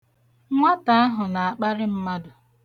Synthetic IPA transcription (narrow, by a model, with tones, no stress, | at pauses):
ŋʷa˦ta˨a˦ɦʊ˨na˨a˨k͡pa˦ɾɪ˦m̩˦ma˦dʊ˨